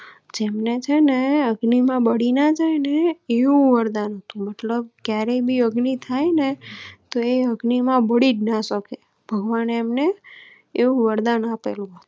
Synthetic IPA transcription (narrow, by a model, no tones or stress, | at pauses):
d͡ʒemnet͡ʃʰeneəɡnimãbəɽinad͡ʒajneeʋũʋəɾd̪anɦət̪ũmət̪ləb̚kjaɾebʱiəɡnit̪ʰajnet̪oeəɡnimãbəɽid͡ʒnaʃəke | b̥ʱəɡʋanemneː | ũʋəɾd̪anapelũɦət̪ũ̥